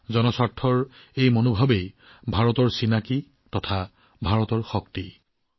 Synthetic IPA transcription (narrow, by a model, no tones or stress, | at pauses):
zɔnɔsatʰːɔɹejmonobʱabej | bʱaɹɔtɔɹsinaki | tɔtʰa | bʱaɹɔtɔɹxɔk̚ti